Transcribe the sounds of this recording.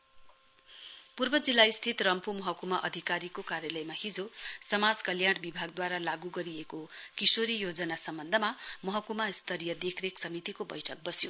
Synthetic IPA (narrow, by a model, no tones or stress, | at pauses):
purbʌd͡zilːaist̪ʰit̪rʌmpumʌɦʌkumaʔʌd̪ʱikaɾikokaɾjʌlʌjmahid͡zosʌmad͡zkʌljaɽbibʱaɡ̚d̪waɾalaɡuɡʌɾiekokisoɾijod͡zʌnasʌmbʌnd̪ʱʌmamʌɦʌkumaist̪ʰʌɾijʌd̪ekʰreksʌmit̪ikobʌ̰jʈʰʌk̚bʌsjo